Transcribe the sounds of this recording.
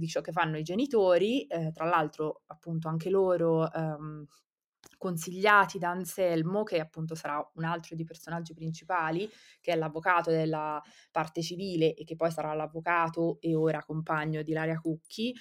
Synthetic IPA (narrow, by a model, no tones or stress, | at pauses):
d̪it͡ʃɔkːefːanːoid͡ʒenit̪oːɾit̪ɾalːalt̪ɾoapːunt̪oaŋk̟eloːɾo | kons̬iʎːaːt̪id̪aːnsɛlmokeapːunt̪̬osaɾaunalt̪ɾod̪ejpersonad͡ʒːipɾint͡ʃipaːli | k̟eɛlːavːokaːt̪od̪elːapart̪et͡ʃiviːleʔekːepːɔjsaɾalavːokaːt̪oeoːɾakompaɲːod̪ilaːɾjakukʰːi